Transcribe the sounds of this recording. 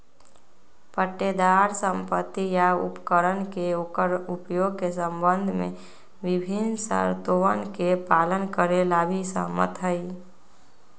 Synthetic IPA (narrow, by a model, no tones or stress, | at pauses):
pəʈːed̪aːɾsə̃mpət̪ːijaʊ̰pkəɾənkeəʊpjoːɡ̚kesə̃mbə̃nd̪ʱmḛ̃ | ʋɪbʱɪnsə̰ɾt̪oʋənkepaːlənkəɾelabʱisə̰mə̰t̪ɦəi